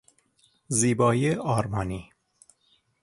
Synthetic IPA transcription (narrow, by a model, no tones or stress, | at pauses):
ziːbɒːjeɒːɾmɒːniː